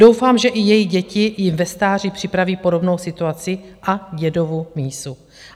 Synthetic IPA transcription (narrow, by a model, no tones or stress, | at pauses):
d̥o̞wfaːmʒɛʔɪjɛjiɟɛcɪjɪmvɛst̪aːr̝ɪpr̝̥ɪpɾaviːpo̞do̞bno̞wsɪt̪uat͡sɪ | ʔaɟɛdo̞vumiːsu